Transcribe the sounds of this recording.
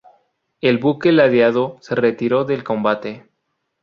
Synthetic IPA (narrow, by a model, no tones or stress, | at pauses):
e̞lβukelaðjaðo̞se̞re̞t̪iɾo̞ðe̞lko̞mbat̪e̞